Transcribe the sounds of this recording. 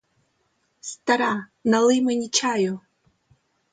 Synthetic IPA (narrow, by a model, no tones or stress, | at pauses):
st̪ʰaɾa | nalɨjmɨnʲit͡ʃʰaju